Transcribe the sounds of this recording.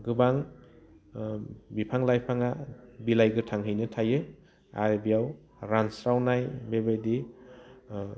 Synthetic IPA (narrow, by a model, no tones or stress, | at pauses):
ɡɯbaŋ | bipʰaŋlajpʰaŋabilajɡɯtʰaŋɦɯjnɯtʰajɯ | a̰ɾbijaw | ɾansɾawnajbebajdi